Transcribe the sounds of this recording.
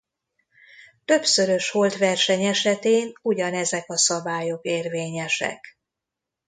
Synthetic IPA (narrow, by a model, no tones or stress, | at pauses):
t̪ø̞bsø̞ɾø̞ʃho̞lt̪ʋɛrʃɛɲɛʃɛt̪eːnuɟɒnɛzɛkɒsɒbaːjo̞keːrveːɲɛʃɛ̰k